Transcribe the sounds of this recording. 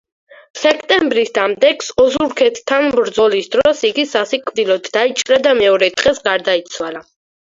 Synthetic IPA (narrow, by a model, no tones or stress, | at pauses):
sɛkʰt̪ʼɛmbɾisd̪amd̪ɛksɔzuɾkʰɛt̪ʰt̪ʰːanbɾd̪zɔlisd̪ɾɔsiɡisasikʼvd̪ilˠɔd̪ːait͡ʃʼɾad̪amɛɔɾɛt̪ʼqɛsɡaɾd̪ait̪sʰwala